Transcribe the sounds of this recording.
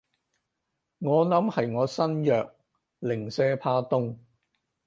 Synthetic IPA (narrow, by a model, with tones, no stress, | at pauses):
ŋɔː˨˧nɐ˨˥mhɐ˨jŋɔː˨˧sɐ˥njœː˨k̚ | lɪ˨˩ŋsɛː˥pʰaː˥t̪ʊ˥ŋ